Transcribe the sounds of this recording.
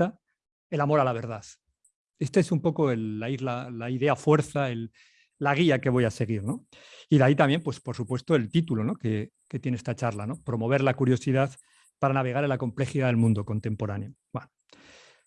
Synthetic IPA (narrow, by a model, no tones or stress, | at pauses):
a | e̞lamo̞ɾalaβ̞e̞ɾð̞aθ | e̞st̪eesumpo̞ko̞e̞lːaizlalaiðe̞afwe̞ɾθaelː | aɣ̞iake̞β̞o̞jase̞ɣ̞iɾno̞ | iðait̪amjempwe̞spo̞ɾsupwe̞st̪oe̞lt̪it̪ulo̞no̞ke̞ | ke̞t̪je̞neest̪at͡ʃaɾlano̞pɾo̞mo̞βe̞ɾlakuɾjo̞siðaθ | paɾanaβ̞e̞ɣ̞aɾe̞lako̞mple̞xiðaðelmũnd̪o̞ko̞nt̪e̞mpo̞ɾanjo̞bweno